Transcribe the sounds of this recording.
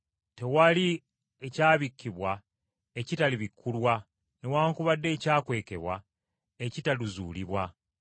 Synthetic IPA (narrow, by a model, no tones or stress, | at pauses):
te̞wali | ecaːβikːiβwa | ecitaliβikʰːulwa | newaːŋkuβadːe̞ːcaːkwe̞ːke̞βwa̰ | ecitaluzṵːliβwa